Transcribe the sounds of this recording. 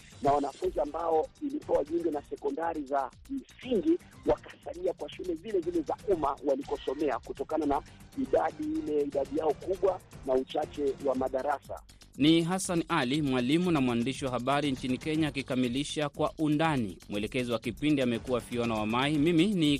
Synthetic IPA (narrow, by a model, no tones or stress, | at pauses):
nawanafunziambaɔilipɔwaʄuŋɡɛnasɛkɔndaɾiza | m̩siŋɡi | wakasaliakwaʃulɛzilɛzilɛzaumawalikɔsɔmɛakutɔkananaiɗaɗiilɛiɗaɗijaɔkuɓwanaut͡ʃat͡ʃɛwamaɗaɾasa̰ | niɦasanalimwalimunamwandiʃiwaɦaɓaɾiɲt͡ʃinikɛɲaːkikamiliʃakwaʔundanḭmwɛlɛkɛziwakipindiamɛkuwafiɔnawamaimimini